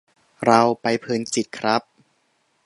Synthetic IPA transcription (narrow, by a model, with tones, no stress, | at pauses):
ɾa˧wpa˧jpʰɯː˧nt͡ɕi˨˩t̪̚kʰɾa˦˥p̚